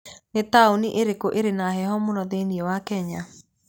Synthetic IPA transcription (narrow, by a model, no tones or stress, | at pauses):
netaoniʔeɾekoʔeɾenaɦɛhɔmonɔðeniɛwakɛɲa